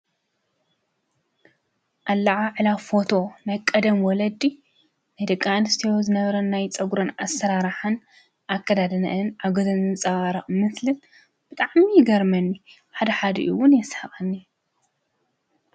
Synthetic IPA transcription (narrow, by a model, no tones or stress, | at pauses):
ʔalːɐʕaʕɨlafo̞t̪ʰo̞najkʼːɐd̪ɐmwɔlɐd̪ːi | najd̪ɐkʼːanɨst̪ʰijozɨnɐβɐɾɐnːajt͡sʼɐɡuɾonasːɐɾaɾɨħan | ʔakʰːɐd̪ad̪ɐnɐ̰ʔɨnʕaɡozɐnɨnt͡sʼɐβaɾɐʔmɨslɨn | b̥ɨt̪ʼaʕmijɪɡɐɾmɐnːi | ħad̪ɐħad̪ɐ̰ʔṵwʊnjɛshɐχʼɐnːi